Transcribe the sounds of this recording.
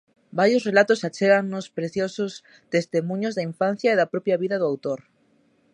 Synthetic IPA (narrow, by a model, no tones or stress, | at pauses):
baɾjosrelat̪osat͡ʃeɣaŋnospɾeθjosʊs | t̪est̪emũɲozðaiɱfan̟θjaeðapɾɔpjaβiðɐðʊawt̪oɾ